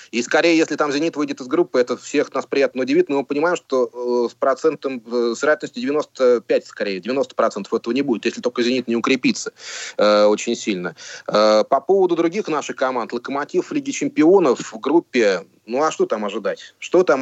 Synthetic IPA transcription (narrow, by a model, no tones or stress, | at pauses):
iskɐɾʲejəjesʲlʲɪt̪amzʲɪnʲit̪vɨjdʲɪt̪ɨzɡɾupːɨɛt̪əfsʲe̞xnaspɾʲɪjat̪nəʊdʲɪvʲit̪mmɨpənʲɪmajɪmʂt̪o̞spɾɐt̪sɛnt̪əmsvʲɪɾɐætʲlnəsʲtʲɪdʲɪvʲɪno̞st̪əpʲætʲskɐɾʲejdʲɪvʲɪno̞st̪əpɾɐt̪sɛnt̪ə̥fɛt̪əvənʲɪbudɪt̪jeslʲɪt̪olʲkəzʲɪnʲit̪nʲɪʊkɾʲɪpʲit̪sə̥əo̞t͡ɕɪnʲsʲilʲnəəpɐpo̞vəd̪ʊd̪ɾʊɡʲixnaʂɨxkɐmant̪lˠəkəmatʲifvlʲiɡʲɪt͡ɕɪmpʲɪo̞nəfvɡɾupʲːɪ | nuɐʂt̪o̞t̪amɐʐɨd̪atʲʂt̪ot̪am